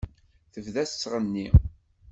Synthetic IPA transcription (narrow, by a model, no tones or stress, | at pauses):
θəvðæssːʁənːi